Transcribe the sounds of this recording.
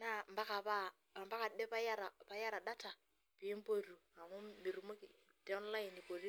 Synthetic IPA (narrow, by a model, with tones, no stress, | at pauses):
na˨mba˦ka˨βa˦˨ | mba˦ka˨dɛ˦pa˦ja˦ɾa˨pa˨˦ja˦ɾa˨ɗa˦ta˨ | pi˨˦m˦po˨ɾu˨a˨ŋu˦mi˨ɾu˨mo˦ki˨ | tɛ˦ɔ˦nla˦ji˨ni˨po˨ɾi˦